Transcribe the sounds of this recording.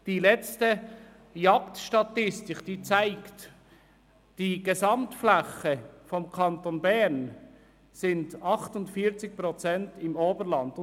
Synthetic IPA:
d̥iːlɛt͡stə | jɑktʃtɑtɪstɪkd̥iːt͡saɪkt | d̥iːɡ̥esɑmtflaχəfɔmkʰɑntonbɛʁn | sɪndɑχtʊntfiːt͡sɪk̚pʁɔt͡sɛntɪmoːbəɾlɑndʊ

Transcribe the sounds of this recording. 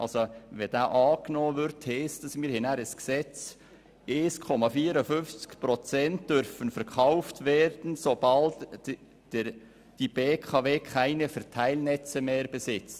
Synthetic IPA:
ʔɑ̰lsoʋɛd̥aːʔɑːknɔːvʏɾtʰhɛːsd̥ɑsmiːɾhɪnaɾəsksɛt͡s | ʔeːskʰɔmɑfiːɾəfʏnft͡skpɾɔt͡sɛnt̚d̥øɾfənfɛɾkʰaʊftvɛːɾd̥n̩sobɑlt | d̥ib̥eːkʰɑveːkʰaɪnəfɛɾtʰaɪlnɛt͡səmeːɾbəsɪt͡st

